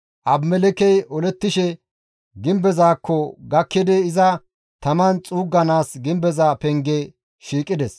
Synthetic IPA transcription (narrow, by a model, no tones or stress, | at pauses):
ʔɐbmɛlɛkɛjʔɔlɛt̪ːɪʃɛ | ɡɪmbɛzaːkʰːɔɡɐkːɪd̪ɛɪzɐ | t̪ɐmɐnt͡sʼuːɡːɐnaːsɡɪmbɛzaːpɛŋɡɛ | ʃiːkʼːɪd̪ɛs